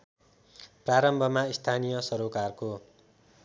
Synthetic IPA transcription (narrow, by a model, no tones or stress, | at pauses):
praɾʌmbʱʌmaist̪ʰanijʌsʌɾokarko